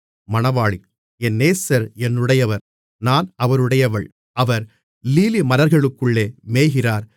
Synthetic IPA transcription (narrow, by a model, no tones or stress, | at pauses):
mɐɳɐʋaːɭi | ɛnːeːsɐɾɛnɯɽɐjɐʋɐɾ | naːnɐʋɐɾɯɽɐjɐʋɐɭ | ʔɐʋɐɾ | liːlimɐnɐɾɣɐɭɯkːɯɭːeːmeːɣɪraːɾ